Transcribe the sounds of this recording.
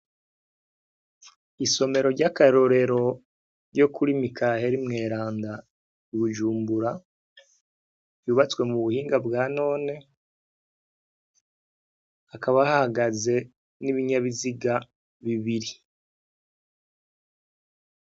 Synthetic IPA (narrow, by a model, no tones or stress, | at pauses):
iso̞me̞ɾo̞ɾɟakaɾo̞ɾe̞ɾo̞ | ɟo̞kʰuɾimikʰaheɾimŋe̞ːɾaːnda | iβuʒuːmbuɾa | juβat͡swe̞muβuhiːŋɡabɡaːno̞ːne̞ | akaβahahaɡaze̞ | niβiɲaβiziɡa | βiβiɾi